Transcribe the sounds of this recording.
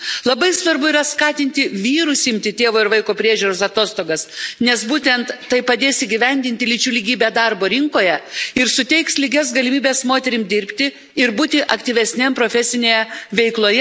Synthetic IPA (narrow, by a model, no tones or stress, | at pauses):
lˠɐbɐɪsʋɐɾbʊiːɾɐskɑːt̪ʲɪnʲt̪ʲɪʋʲiːɾʊsɪmʲt̪ʲɪt̪ʲeːʋoːɪɾʋɐɪkoːpʲɾʲiɛʒʲuːɾoːsɐt̪oːst̪oːɡɐsnʲɛsbuːt̪ʲɛnt̪ːɐɪpɐd̪ʲeːsiːɡʲɪʋʲɛnʲd̪ʲɪnʲt̪ʲɪlʲɪt͡ʃʲuːlʲɪɡʲiːbʲæd̪ɐɾboːɾʲɪŋkoːjɛɪɾsʊt̪ʲɛɪkslʲɪɡʲɛsɡɐlʲɪmʲiːbʲeːsmoːt̪ʲɛɾʲɪmd̪ʲɪɾʲpʲt̪ʲɪ | ɪɾbuːt̪ʲɪʔɐkt̪ʲiːʋʲɛsʲnʲɛmpɾoːfʲɛsʲɪnʲeːjɛʋʲɛɪklˠoːjɛ